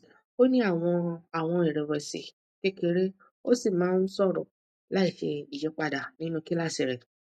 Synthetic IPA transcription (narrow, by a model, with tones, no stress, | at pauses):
o˦nĩ˦a˦˨w̃ɔ̃˧a˨w̃ɔ̃˧i˨ɾɛ˨wɛ˧sḭ˨ | ke˦ke˧ɾe˦ | o˦si˦˨mãː˨˦n̩˦sɔ˦˨ɾɔ̰˨ | la˦i˦˨fi˧i˨d͡ʒɔ˨˦k͡pa˧da˨nĩ˦nũ˧ki˦la˦˨si˨ɾɛ˨